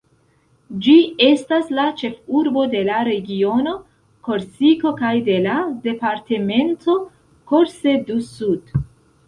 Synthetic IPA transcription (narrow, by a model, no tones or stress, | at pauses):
d͡ʒie̞staslat͡ʃe̞fuɾbo̞de̞laɾe̞ɡio̞no̞ | ko̞ɾsiko̞kajde̞lade̞paɾte̞me̞nto̞ | ko̞ɾse̞dusud̥